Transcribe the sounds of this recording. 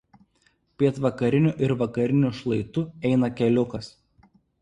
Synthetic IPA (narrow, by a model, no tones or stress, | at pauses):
pʲiɛt̪ʋɐkɐɾʲɪnʲʊˑʔɪɾʋɐkɐɾʲɪnʲʊʃlˠɐɪt̪ʊɛɪnɐkʲɛlʲʊkɐs